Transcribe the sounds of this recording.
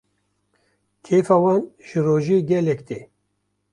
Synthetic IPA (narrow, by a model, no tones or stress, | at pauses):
kʰeːfaːwɑːnʒ̥ɨɾoːʒeːɡʲɛlɛkt̪eː